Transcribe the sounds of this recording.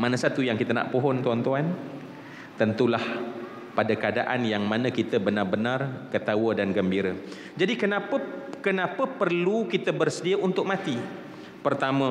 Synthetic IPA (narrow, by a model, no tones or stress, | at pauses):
manãsat̪ujaŋkit̪əna̰ʔpoɦɔnt̪uant̪uan | t̪ənt̪ulah | padakadaʔanjaŋmãnə̃kit̪əbənarbənãrkət̪awədanɡəmbiɾə | d͡ʒadikənãpəkənãpəpərlukit̪əbərsədiəʔunt̪ʊk̚mãt̪i | pərt̪amə̃